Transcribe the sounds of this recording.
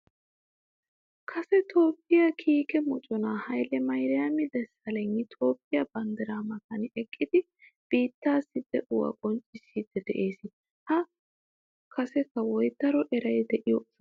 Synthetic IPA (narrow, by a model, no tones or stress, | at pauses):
kʰɐsɛt̪oːpːɪjɐkʰiːkɛmɔt͡ʃʼɔnaːhɐjlɛmɐjɾɪjɐmɪd̪ɛsɐlɛŋːɪt̪ʰo̞ːpʼːɪjɐbɐnd̪ɛɾaːmɐtɐnɛkʼːɪd̪ɪ | b̥iːt̪ːaːsːɪd̪ɛʔʊwɐ̰kʼɔnt͡ʃʼːɪsːiːd̪ɛd̪ɛʔe̞ːsɪ | hɐ | kʰɐsɛkːɐwɔjt̪ːɐɾɔʔɛɾɐjd̪ɛʔɪjɔʔɐs